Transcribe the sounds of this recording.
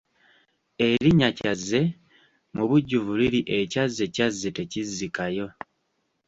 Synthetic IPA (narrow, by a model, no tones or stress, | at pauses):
e̞ɾiɲacazːe̞ | muβuɟːuvuliɾiʔe̞cazːe̞cazːe̞te̞cizikajo̞